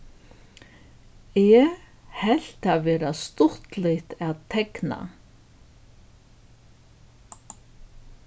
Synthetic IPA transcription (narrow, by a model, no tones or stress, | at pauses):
ɛː | hɛl̥t̪avɛːɾast̪ʊht̪lɪht̪aðt̪ʰɛkna̰